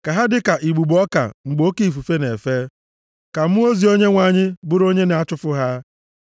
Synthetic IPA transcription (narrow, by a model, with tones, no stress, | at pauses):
ka˨ɦa˦dɪ˦ka˨ʔi˨ɡ͡bu˨ɡ͡bɔ˦ka̰˨ŋ͡m̩˨ɡ͡bo˦ke˦i˨fu˨fe˦ne˨fe˦ | ka˨m̩˦u˦o˦zi˨o˦ɲe˦ŋʷa˨ɲɪ˦bʊ˦ɾo˦ɲe˦na˨a˦t͡ʃʊ˦fʊ˦ɦa˦